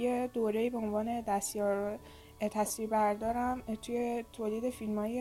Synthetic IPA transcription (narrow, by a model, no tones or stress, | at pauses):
jed̪oːɾeiːbeo̞nvɒːne̞d̪æst̪jɒːɾ | t̪ʰæsviːbæɾd̪ɒːɾæmt̪ʰujet̪ʰoːliːd̪e̞filmɒːje